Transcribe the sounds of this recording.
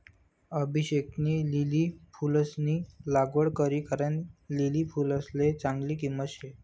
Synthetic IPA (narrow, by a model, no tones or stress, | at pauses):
əbʱiɕek̚niːlilipʰuləsniːlaɡəɽkəɾiːkaɾəɳlilifuləslet͡sãŋɡliːkiməɕe